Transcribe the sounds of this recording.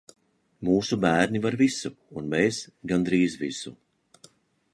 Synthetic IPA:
muːsubæːɾnivaɾvisuːnmesɡand̪ɾiːzvisṵ

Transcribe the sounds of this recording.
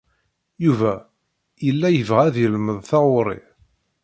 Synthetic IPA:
juvæ | jəlːæjəvʁæðjəlməðˤθɑʁʊɾˤḭ

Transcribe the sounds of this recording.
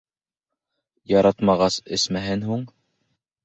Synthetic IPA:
jɑɾɑt̪mɑʁɑsɘ̰̆smæɦɘnɦuɴ

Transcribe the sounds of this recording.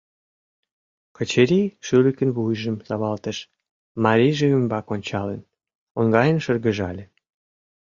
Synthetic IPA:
kət͡ɕeɾiʃylə̆kə̆nβujʒəmz̥ɑβɑlt̪ə̆ʃ | mɑɾʲiʒeymbɑkonʲt͡ɕɑlḛ̆n | oŋɡɑjənʃərɣə̆ʒɑlʲe

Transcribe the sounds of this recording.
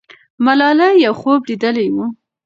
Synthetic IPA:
malɑlajawxoblid̪əlawu

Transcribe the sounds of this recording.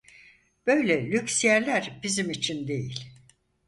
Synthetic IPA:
b̥ø̞jlʲɛlʲyksijæɾlʲæɾbizimit͡ʃʰind̪e̞jilʲ

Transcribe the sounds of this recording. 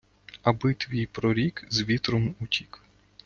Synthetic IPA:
ɐbɪt̪ʋʲijpɾɔɾʲikzʋʲit̪ɾɔmutʲik

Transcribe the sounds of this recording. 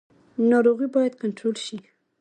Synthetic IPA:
nɑɾoɣibɑjad̪̚kaɳʈɾolʃi

